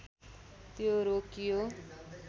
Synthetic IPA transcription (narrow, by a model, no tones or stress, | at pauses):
t̪joɾokijo